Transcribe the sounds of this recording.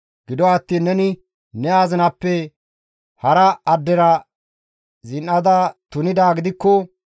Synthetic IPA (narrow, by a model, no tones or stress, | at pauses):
ɡ̥ɪd̪ɔɐt̪ːiːnːɛnɪ | nɛaːzɪnɐpːɛ | hɐɾɐɐd̪ːɛɾɐ | zɪnʔɐd̪ɐt̪ʊnɪd̪aːɡɪd̪ɪkːɔ